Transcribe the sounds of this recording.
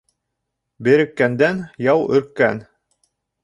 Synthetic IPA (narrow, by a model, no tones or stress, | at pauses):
bɘ̆ɾɘ̆kːænd̪ænjɑwɵ̰̆ɾkːæ̰n